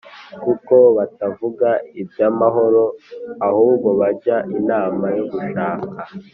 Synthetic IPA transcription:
kuko̞βatavuɡaibɟamaɦo̞ɾo̞ahuːbɡoβaɟaʔinaːmajo̞ɡuʃaːka

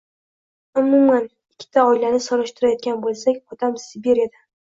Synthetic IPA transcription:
ʊmʊman | ɪkʲʰːɪ̥t̪ʰaɒɪlanɪsoɾɪʃt̪ɪɾajɒt̪̚ɡʲanbolˠsakʲɒt̪ʰamsɪbeɾjad̪a

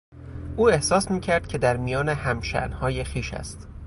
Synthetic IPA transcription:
ʔuːe̞hsɒːsmiːcʰæɾd̪̥cʰe̞d̪æɾmijɒːne̞hæmʃæ̰ʔnhɒːjexiːʃæ̰st̪

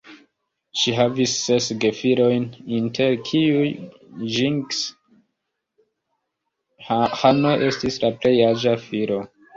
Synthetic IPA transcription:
ʃiɦavisːe̞sɡe̞fiɾo̞jnintʰe̞ɾkʰiuj | ʒiŋɡs | hano̞ʔe̞stislaple̞jad͡ʒafiɾo̞

